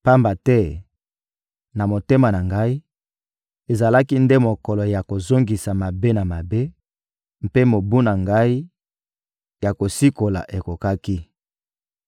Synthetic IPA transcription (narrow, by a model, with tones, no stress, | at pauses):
pa˦mba˨tɛ˦ | na˨mo˨te˦ma˨na˨ŋɡa˦i˦ | e˨za˨la˦ki˦nde˦mo˨kɔ˨lɔ˨ja˨ko˨zo˦ŋɡi˨sa˨ma˨be˦na˨ma˨be˦ | m˦pe˦mo˨bu˦na˨ŋɡa˦i˦ | ja˨ko˨si˦ko˨la˨ʔe˨ko˨ka˦ki˦